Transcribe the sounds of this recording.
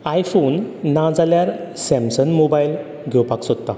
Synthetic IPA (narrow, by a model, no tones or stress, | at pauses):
ajfonːãd͡zaljaɾsɛ̃msənmobajil | ɡʱewpaksod̪t̪a